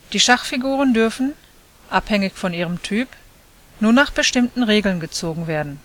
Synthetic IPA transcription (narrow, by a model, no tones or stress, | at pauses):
d̥iːʃaχfiɡuːʁ̞əndʏɐfn̩ | ʔaphɛŋɪçfɔniːʁəmtʰyːp | nuːɐnaːχb̥əʃtɪmtn̩ʁeːɡl̩nɡət͡soːɡŋ̩veːɐdn̩